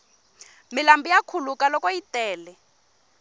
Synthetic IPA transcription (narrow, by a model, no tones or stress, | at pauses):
milambijakʰulukalɔkɔitɛːlɛ